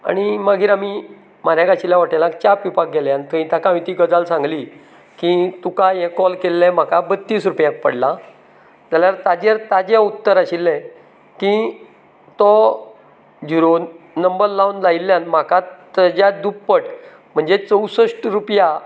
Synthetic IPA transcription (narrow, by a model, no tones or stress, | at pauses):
a̰ɽ̃imaɡʱiːɾami | maɾjãkaɕiljaʋaʈelãk̚t͡ɕapjupak̚ɡeljant̪ʰəĩt̪akãʋit̪iːɡəd͡zalsãŋɡliː | kit̪ukajɛ̃kɔlkelːɛ̃m̤akabət̪ːiːsɾupjãk̚pə̰ɽla | d͡zaljaɾt̪ad͡ʑaɾt̪ad͡ʑaut̪ːəɾaɕilːɛ̃ | kĩ | t̪ɔ | d͡ʑiɾonəmbəɾlawnlailːjãnm̤akat̪əd͡ʑjad̪upːəʈ | m̤əɳd͡zet͡səwsəʂʈɾupja